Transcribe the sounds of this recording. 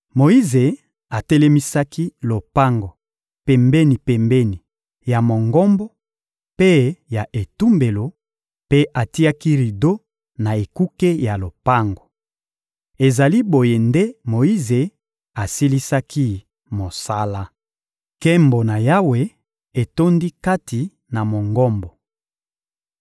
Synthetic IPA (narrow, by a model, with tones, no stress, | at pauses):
mo˨i˦ze˨ | a˨tɛ˦le˦mi˦sa˦ki˦lo˨pa˦ŋɡo˨ | pɛ˨mbe˦ni˨pɛ˨mbɛ˦ni˨ | ja˨mo˨ŋɡo˦mbo˦ | pe˦ja˨ʔe˨tu˦mbe˨lo˨ | pe˦ʔa˨ti˦a˦ki˦ʁi˨do˦ | na˨e˨ku˦ke˦ja˨lo˨pa˦ŋɡo˨ | e˨za˨li˦bo˨je˨nde˦mo˨i˦ze˨ | a˨si˦li˦sa˦kʰi˦ | mo˨sa˦la˦ | ke˦mbo˨na˨ja˦we˨ | e˨to˦ndi˦ka˦ti˨ | na˨mo˨ŋɡɔ˦mbɔ˨